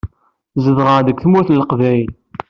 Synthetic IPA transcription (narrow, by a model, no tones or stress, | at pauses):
zəðʁəʁðəkʷθmuθləqvæjl